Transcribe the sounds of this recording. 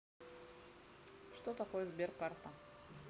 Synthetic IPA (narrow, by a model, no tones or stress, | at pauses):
ʂt̪ot̪ako̞jəzbʲerkart̪ə